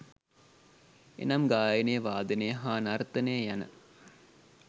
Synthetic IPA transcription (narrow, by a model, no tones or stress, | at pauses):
ḛnɐmɡaːjənejəʋaːd̪ənejəɦaːnaɾt̪ənejəjanə̰